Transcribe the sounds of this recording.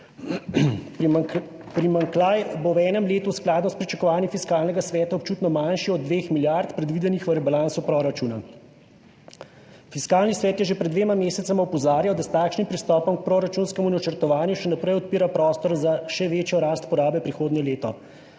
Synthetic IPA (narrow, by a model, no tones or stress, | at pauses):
pɾimaŋkajbowɛːnɛmleːt̪usklaːd̪nɔspɾit͡ʃakɔʋaːnjifiskaːlnɛɡasʋɛːt̪aɔp̚t͡ʃuːt̪nɔmanʃiɔd̪̚ːʋeːxmiljaɾt̪pɾɛd̪ʋiːd̪ɛnixʋəɾɛbalaːnt̪supɾɔɾat͡ʃuːna̰ | fiskaːlnisʋɛːt̪jɛʒepɾɛd̪ʋeːmameːsɛt̪samaɔpɔzaːɾjawd̪ast̪aːkʃnimpɾist̪ɔːpɔmk̚pɾɔɾat͡ʃuːnskɛmunat͡ʃəɾt̪ɔʋaːnjuʃɛnapɾɛjɔt̪̚piːɾapɾɔːst̪ɔɾzaʃɛʋeːt͡ʃjɔɾaːst̪pɔɾaːbɛpɾixoːd̪njɛleːt̪ɔ